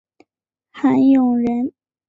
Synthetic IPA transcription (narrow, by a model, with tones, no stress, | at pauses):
xa˧˥njʊ˨˩ŋɻə˧˥n